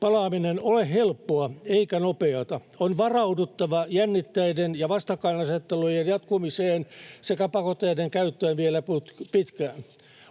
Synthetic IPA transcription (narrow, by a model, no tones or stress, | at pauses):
pɑlɑːminenolehhelpːoɑeikænopeɑt̪ɑ | onʋɑrɑudut̪ːɑʋɑjænːit̪ːæidenjɑʋɑst̪ɑkːɑinnɑset̪ːelujenjɑt̪kumiseːnsekæpɑkot̪ːˑeideŋkæyt̪ːøːnʋielæput̪pit̪kæːn